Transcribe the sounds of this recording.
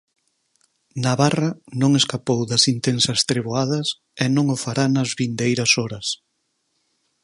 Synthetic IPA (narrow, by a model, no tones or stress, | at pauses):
naβarɐnõŋeskapowðɐsint̪ensɐst̪ɾeβoaðɐs | ɛnõŋʊfaɾanɐzβind̪ejɾɐsɔɾɐs